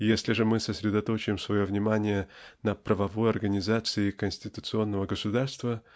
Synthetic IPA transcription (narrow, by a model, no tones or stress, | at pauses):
jesʲlʲɪʐɨmɨsəsʲɾʲɪd̪ɐt̪o̞t͡ɕɪɪmsvɐjo̞vnʲɪmanʲɪjənəpɾəvɐvo̞jɐrɡənʲɪzat̪sɨɪkənʲsʲtʲɪt̪ʊt̪sɨo̞nːəvəɡəsʊd̪arst̪və